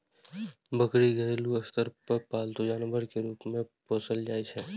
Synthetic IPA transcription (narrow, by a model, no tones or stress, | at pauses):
bəkɾiɡʱəɾeːluɐst̪əɾpəɾpaːlt̪ud͡ʒaːnəbəɾkeɾuːpmẽpoːsəld͡ʒaːit͡ʃʰɛ